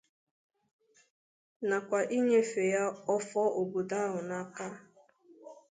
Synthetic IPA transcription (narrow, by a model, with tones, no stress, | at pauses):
na˨kʷa˨ʔi˦ɲe˦fe˨ja˦ɔ˦fɔ˦ʔo˨bu˨da˦ɦʊ˨na˦ka˦